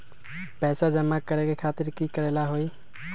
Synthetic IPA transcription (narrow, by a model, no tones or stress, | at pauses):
pɛsad͡ʒəmːakəɾekekʰat̪iɾkikəɾelaɦoj